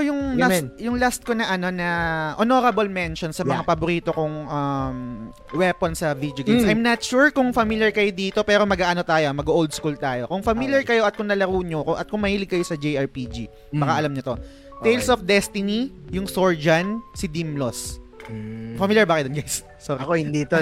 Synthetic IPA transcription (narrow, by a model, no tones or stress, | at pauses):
jʊŋlajʊŋlast̪̚konɐʔɐno̞nɐʔonoɾɐbɐlmɛnʃonsɐmɐŋapɐbʊɾiːt̪o̞kʊŋʔɐm | wɛponsɐvid̪joɡesʔɐjmnɐt̪ʃuɹkʊŋfɐmiljɐɹkɐjod̪iːt̪o̞pɛːɾo̞mɐɡaːʔɐno̞t̪aːjomɐɡʔold̪̚skult̪aːjo̞kʊŋfɐmiljɐɹkɐjo̞ʔɐt̪̚kʊŋnɐlɐɾuːɲokʊʔɐt̪̚kʊŋmɐhiːlɪɡ̚kɐjo̞sɐd͡ʒejʔɐɹpid͡ʒi | bɐkaʔɐlamɲɐt̪o̞ | t̪ejlsʔɔfd̪ɛst̪ɪnijʊŋsoɹd͡ʒɐnsɪd̪imlos | fɐmiljɐɹbakɐd̪onɡajsː | oɾiod̪it̪o